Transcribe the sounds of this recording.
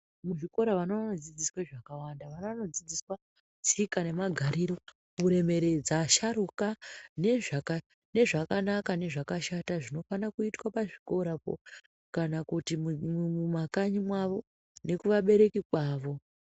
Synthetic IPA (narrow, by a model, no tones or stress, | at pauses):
muʐiko̞ɾaʋanoʋanod͡zid͡ziswaʐakawandaʋanoʋano̞d͡zid͡ziswa | t͡sikane̞maɡʱaɾiɾo̞ | uɾe̞me̞ɾe̞d͡zaʃaɾukane̞ʐaka | ne̞ʐakanakane̞ʐakaʃataʐino̞fanakuitwapaʐiko̞ɾapo̰ | kanakutimmumakaɲimwaʋo̞ | ne̞kuʋaɓe̞ɾe̞kikwaːʋo̞